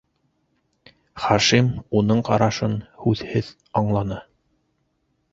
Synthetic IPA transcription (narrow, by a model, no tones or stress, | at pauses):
χɑʃimunɤɴqɑ̰ɾɑʃɤnhʉðhɘð | ɑɴlˠɑnɤ